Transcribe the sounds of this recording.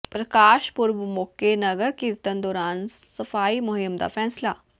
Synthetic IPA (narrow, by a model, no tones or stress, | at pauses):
pɾəkaːʃpʊɾʋmʊkenəɡəɾkɪɾt̪ənd̪ɔːɾaːnsəfaːiːmʊɦɪmd̪a̰ːfʰɛːslaː